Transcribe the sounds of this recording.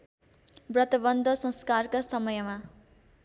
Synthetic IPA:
brʌt̪ʌbʌnd̪ʱʌsʌ̃skarkasʌmʌjʌma

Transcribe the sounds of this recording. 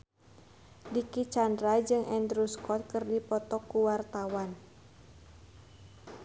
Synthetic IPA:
dikit͡ʃandɾad͡ʒɨŋɛndɾuskɔt̪̚kɨrdipɔt̪ɔkuwart̪awan

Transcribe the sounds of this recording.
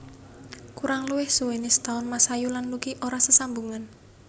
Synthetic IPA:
kuɾaŋluwɪhsuwenist̪aʊnmasajulanlukiʔoɾasəsambuŋan

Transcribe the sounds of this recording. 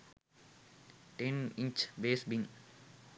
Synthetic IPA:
ʈẽnĩɲt͡ʃbeːsbĩŋ

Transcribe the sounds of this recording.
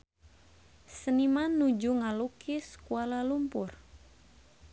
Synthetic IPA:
sənimanud͡ʒuŋalukʰiskualalumpʊr

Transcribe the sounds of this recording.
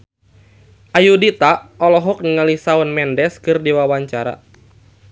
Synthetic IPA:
ʔajudit̪aʔɔlɔɦɔk̚nəŋalisaɔnmɛndɛskɨrdiwawaɲt͡ʃaɾa̰

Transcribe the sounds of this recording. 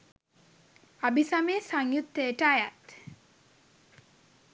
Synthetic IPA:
abisameːsaŋjut̪ːəəʈəajat̪

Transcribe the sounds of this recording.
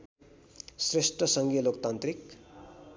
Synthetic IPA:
sresʈrʌsʌŋɡijʌlokt̪ant̪rik

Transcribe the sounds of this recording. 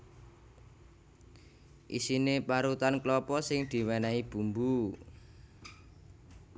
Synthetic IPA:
ʔḭsinepaɾut̪anklɔpɔsɪŋd̪̥i̤wɛnaib̥ṳmbu

